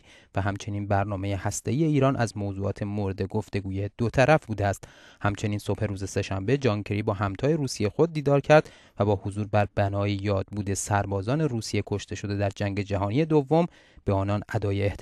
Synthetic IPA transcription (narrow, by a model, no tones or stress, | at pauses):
væɦæmt͡ʃʰe̞niːnbæɾnɒːme̞je̞hæst̪e̞iːje̞iːɾɒːnʔæzmozuːɒːt̪ʰe̞moɾed̪e̞ɡoft̪e̞ɡuːje̞d̪̥ot̪ʰæɾæfbuːd̪eæst̪hæmt͡ʃʰe̞niːnso̞bhe̞ɾuːze̞se̞ʃæmbe̞d͡ʒɒːŋcʰe̞ɾibɒːɦæmt̪ʰɒːje̞ɾuːsijexo̞d̪̚ːiːd̪ɒːɾcʰæɾd̪̥ | væbɒːhozuːɾbæɾbænɒːjejɒːd̪̥̚buːd̪e̞sæɾbɒːzɒːne̞ɾuːsije̞kʰo̞ʃt̪e̞ʃo̞d̪e̞d̪æɾd͡ʒæŋɟe̞d͡ʒæɦɒːnije̞d̪ovːo̞m | b̥eɒːnɒnæd̪ɒːjeːht̪